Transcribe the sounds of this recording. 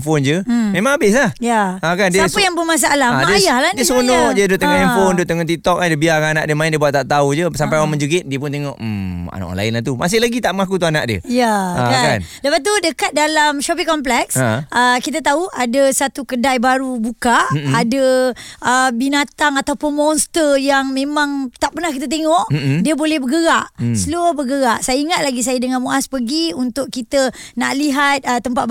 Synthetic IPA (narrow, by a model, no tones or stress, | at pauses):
fond͡ʒəmẽmãŋabɪslahjaakansdəapajaŋbəmas̬aʔaladəajahladiəsonɔʔdiədoʔt̪əŋɔʔimfondoʔt̪əŋɔʔt̪it̪ɔkadiəbiakːna̰ʔdiəmãindiəbuat̪ːaʔt̪aud͡ʒəsampajamənd͡ʒuɡɪt̪̚diəp̬ʊnt̪eŋɔʔ̩a̰na̰ʔɔ̰nla̰ɪnlaht̪uma̰s̬ɪhlaɡit̪aʔməŋakut̪uana̰ʔ̚diə̰jakakanləpat̪̬udəkat̪̚dalamʃɔpikɔmp̬lɛksʔəkit̪ət̪auʔadasat̪ukədajbaɾubukaʔːdəʔəbinat̪aŋat̪awpʊnmɔ̃nst̪ərjaŋmẽmãŋt̪aʔpərnahkit̪ət̪̬eŋɔʔ̩diəbolɛhbəɡəɣaʔsəluəbəɡəɣaʔsajaiŋat̪̚laɡis̬ajadəŋanmuʔaspəɡiunt̪ʊʔkit̪ənaʔliɦat̪̚ət̪ːəmpat̪̚b